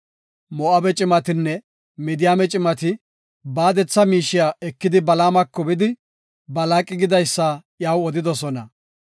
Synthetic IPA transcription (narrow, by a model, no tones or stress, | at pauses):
mɔʔɐbɛt͡ʃʼɪmɐt̪ɪnːɛ | mɪd̪ɪjaːmɛt͡ʃʼɪmɐt̪ɪ | baːd̪ɛt͡sːɐmiːʃɪjaːɛkːɪd̪ɪbɐlaːmɐkːɔbɪd̪ɪ | bɐlaːkʼːɪɡɪd̪ɐjsːajaːwɔd̪ɪd̪ɔsɔnɐ